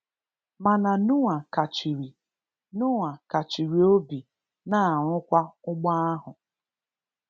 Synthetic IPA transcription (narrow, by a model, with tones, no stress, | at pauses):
ma˨na˨nʊ˦ŋa˨ka˨t͡ʃi˨ɾi˨ | nʊ˦ŋʷa˨ka˨t͡ʃi˨ɾi˨o˦bi˨ | na˦˨ŋʷʊ˦kʷa˦ʊ˦ɡ͡ba˦a˦ɦʊ˨